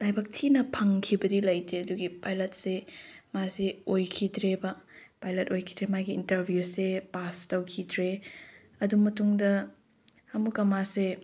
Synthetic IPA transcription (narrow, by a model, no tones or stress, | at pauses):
lajbak̚tʰinɐpʰɐŋkʰibɐdilɐjtʰeɐduɡipajlɐt̚semaseojkʰidɾebɐpajlɐtojkʰidɾemajɡiːntɐɾbʱjusepastɐwkʰidɾe | ɐdumɐtuŋdɐ | hɐmukɐmase